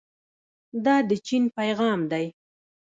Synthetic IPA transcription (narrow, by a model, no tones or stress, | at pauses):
d̪ɑd̪ət͡ʃinpajɣɑmd̪aj